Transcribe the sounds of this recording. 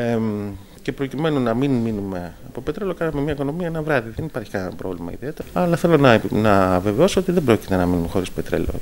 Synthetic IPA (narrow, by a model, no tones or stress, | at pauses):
e | ce̞pɾo̞cime̞nunɐminminume̞ɐpo̞pe̞t̪ɾe̞lo̞kɐnɐmemɲɐiko̞no̞miɐenɐvɾɐðiðe̞nipɐɾçi̥kɐnnɐpɾo̞̰vlimɐ̰ḭðio̞t̪eɐlɐθe̞lo̞nɐnɐve̞veo̞soot̪iðebɾo̞cit̪e̞nɐminumexo̞ɾispe̞t̪ɾḛlo̞̰